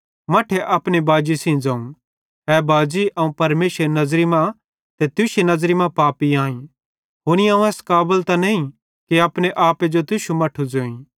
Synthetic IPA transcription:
mɐʈʰeʔɐpɽ̃ebaːd͡ʒisĩd͡zãːũ | ɦɛːbaːd͡ʒiʔɐũpɐɾmeːsɾenɐzɾimã | t̪et̪ʊʃenɐzɾimãpaːpiãːĩ | ɦoːñiãːũɛːskaːbəlt̪anɐĩ | kiɐpɽ̃eʔaːped͡ʒot̪ʊʃumɐʈʰud͡ʒoːĩ

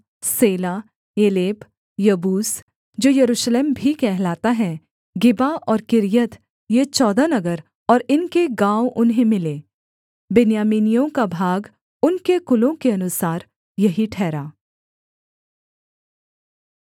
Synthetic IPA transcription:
seːla | eːleːp | jɐbuːs | d͡ʒoːjɐɾuːʃleːmbʱikɛɦlaːt̪aɦɛ | ɡɪbaʔɔːɾkɪɾjət̪ | jet͡ʃɔːd̪anɐɡəɾ | ɔːɾɪnkeɡãːwʔʊnɦẽmɪleː | bɪnjaːmiːnijõkabʱaːɡ | ʊnkekʊlõkeɐnʊsaːɾ | jɐɦiʈʰɛːɾaː

